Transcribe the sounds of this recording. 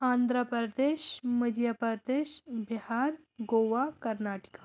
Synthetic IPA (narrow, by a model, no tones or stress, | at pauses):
aːnd̪ʱɾəpɾɾəd̪eːʃməd̪ʱjapɾəd̪eːʃbihaːɾ | ɡoːʋakɐɾnaːʈi̥ka